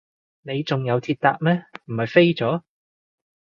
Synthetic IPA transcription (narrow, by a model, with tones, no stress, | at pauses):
ne˨˧jt͡sʊ˨ŋjɐ˨˧wt̪ʰiː˧t̚t̪aː˧k̚mɛː˥m̩˨˩hɐ˨jfe˥jt͡sɔː˨˥